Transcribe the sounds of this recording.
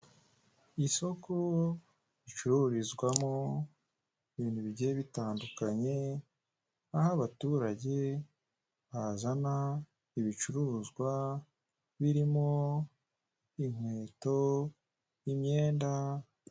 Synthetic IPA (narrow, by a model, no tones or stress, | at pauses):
iso̞ko | it͡ʃuɾuɾizɡwamo | iβiːnuβiɟeβitaːndukaɲe̞ | ahaβatuːɾaɟe̞ | βazana | iβit͡ʃuɾuzɡwa | βiɾimo | iŋ̥we̞ːto̞ | jimɲe̞ːnda